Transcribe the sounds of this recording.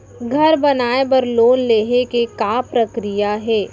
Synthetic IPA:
ɡʱɐɾbɐnaːebɐɾloːnleːɦekekaːpɾɐkɾijaɦɛː

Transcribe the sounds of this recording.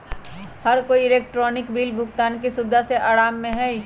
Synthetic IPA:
həɾkoːiɪleːk̚ʈɾɔːnɪkbiːlbʱʊkt̪aːnkisʊbd̪ʱaseʔaːɾaːmːẽɦɛi

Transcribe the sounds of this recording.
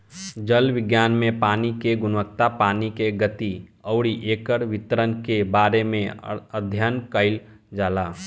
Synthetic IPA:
d͡ʒəlʋɪɡjaːnmẽpaːnikeɡʊnʋək̚t̪apaːnikeɡət̪iəʊɽiʔeːkəɽʋɪt̪əɾənkebaːɾemẽəd̪ʱjankəɪld͡ʒaːlaː

